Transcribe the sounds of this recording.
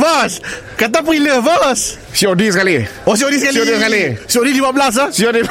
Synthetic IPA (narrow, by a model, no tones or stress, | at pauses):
vəs | kat̪̬ap̬iləvəs | siodisəkalios̬iodisəkalioiskalisiodidibabəlas̬asiodi